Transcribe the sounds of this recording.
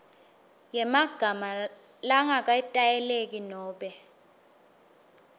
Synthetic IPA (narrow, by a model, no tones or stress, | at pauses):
jɛmaɡ̥ʱama | laŋak̬ʼaitʼajɛlek̬ʼinɔːɓɛ